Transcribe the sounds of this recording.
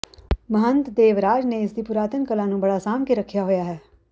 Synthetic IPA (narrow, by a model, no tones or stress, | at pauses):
məɦənt̪d̪eːʋɾaːd͡ʒnẽːɪsd̪iːpʊɾaːt̪əŋkəlãːnũːbəɽaːsaːmkeɾəkʰːjaːɦoːjaːɦɛː